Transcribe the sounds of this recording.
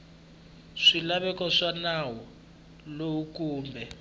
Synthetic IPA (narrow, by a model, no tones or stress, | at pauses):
ʂilaβɛkɔʂanawɔ | loukuːmbʱɛ